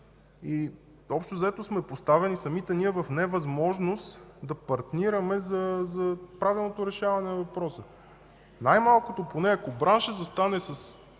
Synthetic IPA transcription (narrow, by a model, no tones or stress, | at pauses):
i | ɔpʃt̪ozɐɛt̪osmɛpost̪avɛnisɐmit̪ɛniɛvɐfnɛvɐzmɔʒnost̪d̪ɐpɐɾt̪niɾəmɛzɐzɐpɾavilˠnot̪oɾɛʃavɐnɛnɐvɐpɾɔsə | najmalˠkot̪oponɛɐkobɾanʃəzɐst̪anɛsɐs